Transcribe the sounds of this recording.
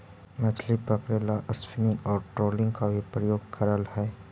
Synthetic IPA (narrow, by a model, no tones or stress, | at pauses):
mɛt͡ʃʰlipəkɾeːlaʔəspinɪ̃ŋɡɔːɾʈɾoːlɪ̃ŋɡkabʱipɾəjoːɡ̚kʰəɾəlɦɛː